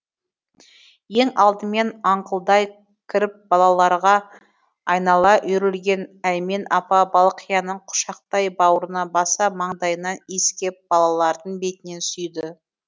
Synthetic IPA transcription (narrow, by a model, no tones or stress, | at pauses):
je̞ŋɑlˠd̪əme̞nɑɴqəlˠd̪ɑj | kʲʰɪɾɪp̚bɑlˠɑlˠɑɾʁɑ | ɑjnɑlˠɑʔʏɾɪlɡʲe̞næj̪me̞nɑpɑbɑlˠqʰijɑnəɴqʰʊ̥ʃɑq̚t̪ɑjbɑwəɾənɑbɑsɑmɑɴd̪ɑjənɑneskʲep̚b̥ɑlˠɑlˠɑɾd̪əɴbe̞t̪ɪne̞nsʏjd̪ɪ